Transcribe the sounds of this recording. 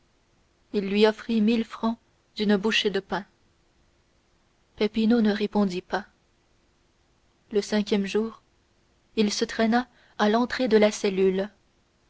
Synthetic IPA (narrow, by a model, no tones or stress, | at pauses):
ilːɥiɔfχimilfχɑ̃ | d̪̥ynbuʃed̪əpɛ̃ | pɛpinonəʁepɔ̃d̪ipa | ləsɛ̃k̬ʲjɛmʒuːʁ | ilsət̪χɛna | alɑ̃t̪χed̪əlasɛlyl